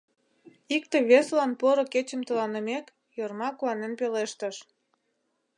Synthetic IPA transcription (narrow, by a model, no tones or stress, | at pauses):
ikt̪eβeslɑnpoɾoket͡ɕəmt̪əlɑnəmek | jormɑkuɑnenpeleʃt̪əʃ